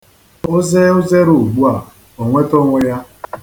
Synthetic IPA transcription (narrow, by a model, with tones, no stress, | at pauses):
o˦ze˦ʊ˦ze˦ɾu˨ɡ͡bu˦a˨ | o˨ŋʷe˦to˦ŋʷʊ˦ja˦